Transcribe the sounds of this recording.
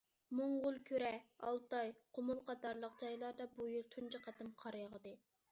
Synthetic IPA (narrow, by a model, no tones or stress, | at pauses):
moŋʁʊlˠkʲʰøɾɛɑ̰lˠt̪ɑjqʰomʊlˠqɑt̪ɑɾlˠəq̚d͡ʒɑjlˠɑɾd̪ɑbujylt̪ʰunt͡ʃʰɨqʰæt̪ɪmqʰɑɾjɑʁd̪ɨ